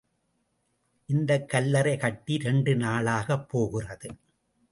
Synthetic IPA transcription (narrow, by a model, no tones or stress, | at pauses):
ʔɪnd̪ɐkːɐlːɐɾɐɪkɐʈːiɾɛɳɖɯnaːɭaːɣɐpːoːɣɪrɐðɯ